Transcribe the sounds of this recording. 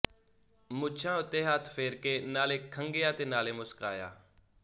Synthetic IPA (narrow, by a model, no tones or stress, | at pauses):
mʊt͡ʃʰãːʊt̪eːɦaːt̪ʰfeːɾkeːnaːleːkʰəŋɡeːjaːt̪eːnaːleːmʊska̰ːja̰ː